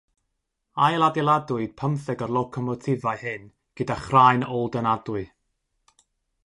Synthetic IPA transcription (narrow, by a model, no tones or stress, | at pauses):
ajlˠadɛlˠadʊɨd̥̚pʰəmθɛɡɔrlˠɔkʰɔmɔtʰɪvahɨn | ɡ̥ədaχrajnɔlˠdənadʊɨ